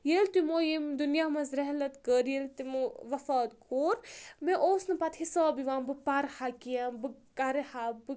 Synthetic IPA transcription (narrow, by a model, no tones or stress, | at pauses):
jelt̪imoːjimd̪unjamɐnzɾɛɦlɐt̪kəɾjelt̪imɨʋɐfaːt̪kʰoːɾmẽʔoːsnɨpɐt̪hisaːbiʋãːmbɨpaɾhakijambɨkaɾehabɨ